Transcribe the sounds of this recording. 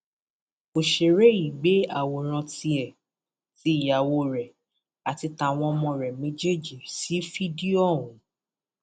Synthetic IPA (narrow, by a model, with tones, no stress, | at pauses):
o˨ʃe˨ɾe˦ji˨ɡ͡be˨˦a̰˦˨wo˨ɾ̃ã˧ti˧ɛ˨ | ti˦˨ja˨wo˧ɾɛ˨ | a˨ti˧ta˧˨w̃ɔ̃˧ɔ˧mɔ̃˧ɾɛ˨mẽ˨˦d͡ʒe˦d͡ʒi˨si˨˦fi˦di˦ɔ̃˦˨ũ˨˦